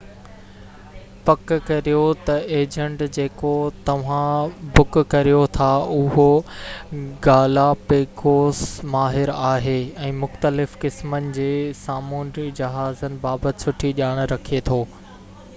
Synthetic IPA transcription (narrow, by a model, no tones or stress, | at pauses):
pɐkkɐɾijot̪ɐeːd͡ʑə̃ɳʈd͡ʑeːkot̪ɐʋ̤ãbʊkkːɐɾijot̪ʰaʊɦo | ɡaːlapeːkoːsmaːɦɪɾaːɦeːɛ̃ːmʊxt̪əlɪfkɪsmənɪ̆d͡ʑeːsaːmuːnɾid͡ʑɐɦaːzənɪ̆baːbət̪ɪ̥sʊʈʰiʄaːɽ̃ɾɐkʰiet̪ʰoː